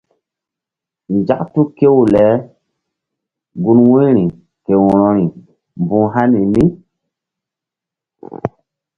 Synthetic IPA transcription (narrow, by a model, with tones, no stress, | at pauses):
n˨d͡ʒa˦ktu˦ke˦wu˨lɛ˨˦ | ɡu˦nwũ˦ɾi˨ | ke˨wɔ˨ɾɔ˦ɾi˨ | mbũ˦ɦa˦ni˨ni˦